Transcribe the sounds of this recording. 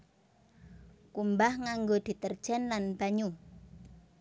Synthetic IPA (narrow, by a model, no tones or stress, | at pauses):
kumbahŋaŋɡod̪̥i̤t̪ərd̥ʒ̥ɛnlanb̥aɲu